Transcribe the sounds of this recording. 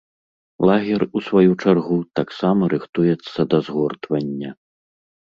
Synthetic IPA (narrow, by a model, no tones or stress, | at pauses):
lˠaɣʲɛrusvajut͡ʂarɣut̪aksamɐɾɨxt̪ujɛt̪sːɐd̪ɐzɣɔrt̪vɐnʲːɐ